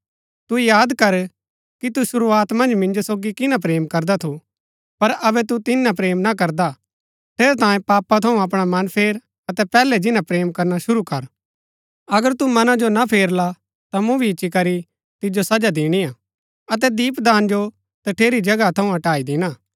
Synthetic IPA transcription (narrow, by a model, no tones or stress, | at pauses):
t̪ujaːd̪kɐɾ | kit̪usʊɾuaːt̪mɐ̃nd͡ʒmɪ̃nd͡ʒosoːɡikɪnap̬ɾeːmkɐɾd̪at̪ʰu | pɐɾɐbɛt̪ut̪ɪnãp̬ɾeːmnak̬ɐɾd̪a | ʈ̪ʰeːɾɛt̪ãːjẽpaːpat̪ʰɐũɐp̬ɽ̃amɐnpʰeːɾ | ɐt̪ɛpɛːlɛd͡ʒɪnãpɾeːmkɐɾnaʃʊɾukɐɾ | ɐɡəɾt̪umɐnãd͡ʒonapʰeːɾla | t̪amũbʱit͡ʃːikɐɾi | t̪ɪd͡ʒosɐd͡ʒad̪ɪːɽ̃iaː | ɐt̪ɛd̪iːpd̪aːnd͡ʒo | t̪ɐʈʰeːɾid͡ʒɐɡat̪ʰɐũɐʈaːid̪ɪnaː